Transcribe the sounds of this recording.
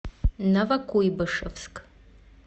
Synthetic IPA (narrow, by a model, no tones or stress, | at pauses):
nɐvɐkʷuibɨʂɐfskʼ